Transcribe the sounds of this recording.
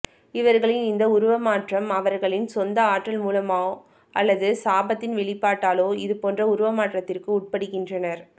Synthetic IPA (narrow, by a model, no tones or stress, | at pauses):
ɪʋɐɾɣɐɭɪnɪnd̪ɐʊɾʊʋɐmaːʈrɐmɐʋɐɾɣɐɭɪnsɔnd̪ɐaːʈːɐlmuːlɐmaː | ʔɐlːɐðɯsaːbɐt̪ːɪnʋɛɭɪpːaːʈːaːloːɪðɯpoːndrɐʊɾʊʋɐmaːʈrɐt̪ːɪrkɯʊʈ̚pɐɽɯkːɪndrɐnɐɾ